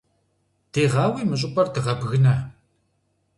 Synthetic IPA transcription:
d̥eːʁɑːwiːmɨɕ̬ʼɪpʼɐrdɨʁɐbɣɨnɐ

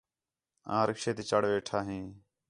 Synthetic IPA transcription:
ã̰ːɾəkʃeːt̪iːt͡ʃəɽʋeːʈʰaːɦĩː

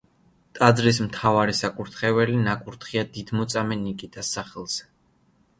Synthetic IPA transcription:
t̪ʼad̪zɾis̬mt̪ʰavaɾisakʼuɾt̪ʰχɛvɛlinakʼuɾt̪ʰχiad̪id̪mɔt̪sʼamɛnikʼit̪ʼasːaχɛlˠz̥ɛ

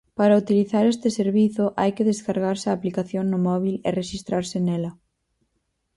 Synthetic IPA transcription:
paɾɐut̪iliθaɾest̪ɪseɾβiθʊʔa̰jkeðeskaɾɣaɾsɪaːplikaθjoŋnʊmɔβ̞ilereʃist̪ɾaɾsɪnɛlɐ

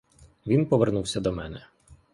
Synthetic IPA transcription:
ʋʲinpɔʋernuwsʲɐd̪ɔmɛnɛ

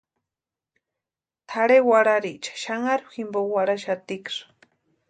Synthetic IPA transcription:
t̪ʰaɽewaɾaɾit͡ʃḁʃaŋaɾximbowaɾaʃat̪ikʂ

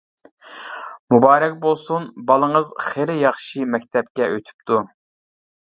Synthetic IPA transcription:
mubɑːɾɛk̚ʲbolˠsunbɑlˠəŋəzχeɾɪjɑχʃimɛkʲt̪ʰɛpkʲɛʔøt̪ʰy̥p̚t̪ʰu

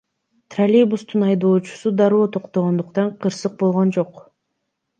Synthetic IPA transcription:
t̪ralʲibust̪unɑjd̪oːt͡ʃu̥sud̪ɑɾoːt̪ʰo̞qt̪oʁo̞nd̪uqt̪ɑɴqʰɯɾsɯq̚bo̞lˠʁo̞nd͡ʒo̞q

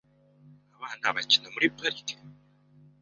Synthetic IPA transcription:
aβaːnhaβacinemuɾipaɾiti̥ka

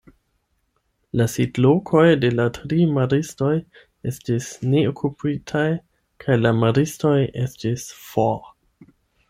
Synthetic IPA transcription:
lasidlokʰo̞jde̞latɾimaɾisto̞j | e̞stisne̞okʰupitʰaj | kʰajlamaɾisto̞jʔe̞stisfo

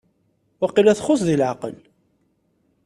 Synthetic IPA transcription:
ɑqːilæθχʊsðilʕaqə̰l

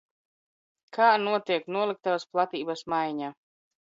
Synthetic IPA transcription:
kʰaːnuɔt̪iɛknuɔlˠik̚t̪avasplˠat̪iːbasmajɲaː

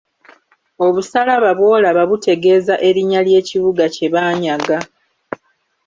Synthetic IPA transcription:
o̞βusalaβaβwo̞ːlaβaβutʰe̞ɡe̞ːzaʔe̞ɾiɲalje̞ːciβuɡace̞βaːɲaɡa

